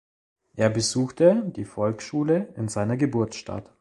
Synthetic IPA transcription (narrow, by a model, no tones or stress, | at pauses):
ʔeːɐbəzuːxtəd̥iːfɔlksʃuːləɪnzaɪnɐɡəbʊɐtʃta̰t